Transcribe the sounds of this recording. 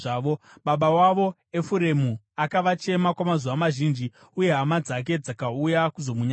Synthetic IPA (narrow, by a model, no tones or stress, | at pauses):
aːʋoɓaɓawaʋo̞ | e̞fuɾe̞mu | akaʋat͡ʃe̞makwamazuʋamaʒiːnd͡ʒi | uje̞ɦamad͡zak̬e̞d͡zakaujakuzo̞muɲa